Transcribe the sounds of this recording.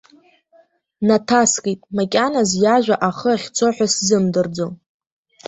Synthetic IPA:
natʰaskʼetʼmakʲʼanazjaʒᶣʷaʔaχəaχʲt͡sʰoħʷᶣaszɨmdɨrd͡zow

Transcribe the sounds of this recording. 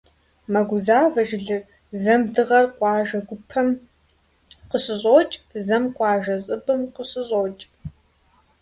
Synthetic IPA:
mɐɡʷʊzaːvɐʒɪɮɨr | zɐmdɨʁɐrqʷɑːʒɐɡʷʊpʰɐm | qəɕʼɨɕʼoːt͡ʃʼzɐmqʷɑːʒɐɕʼɨbɨmqəɕʼɨɕʼoːt͡ʃʼ

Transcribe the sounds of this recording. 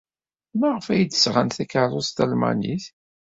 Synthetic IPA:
mæʁəfæjd̪ə̥sʁənθækəʕɾˤost̪ælmæ̰niθ

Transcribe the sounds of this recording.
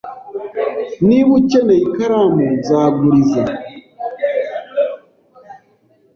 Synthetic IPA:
niβut͡ʃeneikaɾamuzaːɡuɾiza

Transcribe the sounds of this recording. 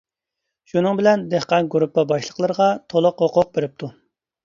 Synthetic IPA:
ʃunɨŋbɪlɛnd̪ehqɑnɡuɾupːɑbɑʃlˠə̥qʰlˠəɾəʁɑt̪ʰolˠʊqhoqʰʊq̚beɾɪp̚t̪ʰu

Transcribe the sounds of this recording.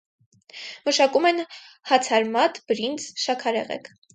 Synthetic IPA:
məʃɑkumɛn | hɑt͡sʰɑɾmɑt̪b̥əɾind͡zʃɑkʰɑɾɛ̰ʁɛ̰kʰ

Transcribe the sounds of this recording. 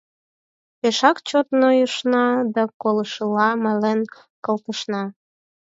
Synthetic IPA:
peʃɑkt͡ɕot̪nojəʃnɑd̪ɑkoləʃəlɑmɑlen | kəlt̪əʃnɑ

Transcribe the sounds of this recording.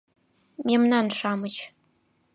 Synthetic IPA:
memnanʂaːmɨt͡ʃʰ

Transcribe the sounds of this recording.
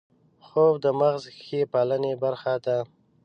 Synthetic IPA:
xobd̪əmaɣzxepɑlənebaɾxad̪a

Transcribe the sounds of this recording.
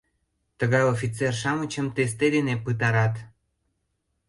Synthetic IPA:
t̪əɣɑjofʲit͡serʃɑmət͡ɕəmt̪es̬t̪ed̪enepɨt̪ɑɾɑt̪

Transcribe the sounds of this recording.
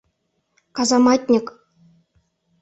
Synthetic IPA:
kɑzɑmɑtʲnʲɘ̆k

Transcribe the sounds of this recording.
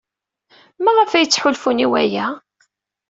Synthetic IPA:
mæʁəfæjət͡sːħʊlfuniwæ̰jæ

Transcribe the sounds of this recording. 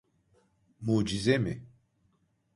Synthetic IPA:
muːd͡ʒizemi

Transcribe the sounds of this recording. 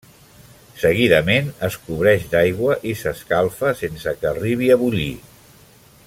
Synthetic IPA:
səɣ̞iðəmenəskuβ̞ɾɛʃd̪ajɣwəʔisəskalˠfəsensəkəːriβ̞iəβuʎḭ

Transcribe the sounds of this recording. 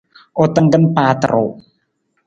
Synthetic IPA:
ʔot̪əŋɡənpat̪əɾo̰

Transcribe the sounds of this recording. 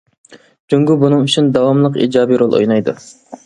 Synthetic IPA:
d͡ʒyŋɡʲubunɨŋyt͡ʃʰynd̪ɑwɑmlˠəqḭːd͡ʒɑːbiɾolˠʔo̰jnɑjd̪ṵ

